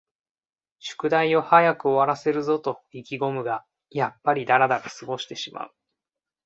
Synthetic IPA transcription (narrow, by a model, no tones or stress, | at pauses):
ɕɨ̥kɯ̟d̪aio̞hajakɯ̟o̞βaɾase̞ɾɯ̟zo̞t̪o̞ikʲiɡo̞mɯ̟ɡa | japːaɾʲid̪aɾad̪aɾasɨɡo̞ɕi̥t̪e̞ɕima̰ɯ̟